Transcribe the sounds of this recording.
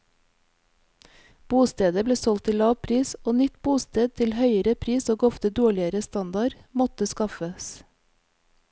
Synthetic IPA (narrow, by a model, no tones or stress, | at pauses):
b̥uːst̪eːd̪əbleːsɔlt̪ʰɪlɑːʋpʰɾiːsoːnʏt̪buːst̪eːd̪̚t̪ʰɪlhœʏəɾəpʰɾiːsoːɡɔft̪əd̪oːɭɪəɾəst̪ɑnd̪ɑɾmɔt̪əskɑfəs